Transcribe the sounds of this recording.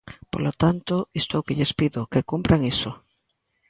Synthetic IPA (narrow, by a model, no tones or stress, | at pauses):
po̰lot̪ant̪oist̪owkɪʎespiðʊkekumpɾʔaŋiso